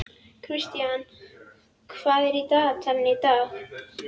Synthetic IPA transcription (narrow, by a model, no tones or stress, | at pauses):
kʰɾiʃt̪ijaːn | kʰfaːɾit̪aːt͡sʰɐnnet̪aː